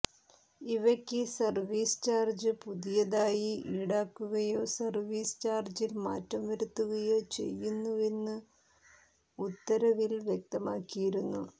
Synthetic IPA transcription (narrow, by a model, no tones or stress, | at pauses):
iʋɐkʲːɨsɐrʋiːst͡ɕaːrd͡ʑɨpuðijɐðaːjiʔiːɽaːkːuɣɐjo̞ːsɐrʋiːst͡ɕaːrd͡ʑilmaːtːɐmʋɐɾut̪ːuɣɐjot͡ɕe̞̰jːunːue̞nːɨ | ut̪ːɐɾɐʋilʋjek̚t̪ɐmaːkːijiɾunːu